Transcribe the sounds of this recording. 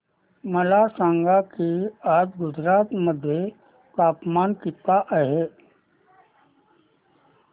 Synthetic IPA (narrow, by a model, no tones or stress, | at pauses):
məlasãːŋɡakiaːd͡ʒɡʊd͡ʒɾaːt̪məd̪ʱje | kaːpmaːnkɪt̪ːaʔəɦeː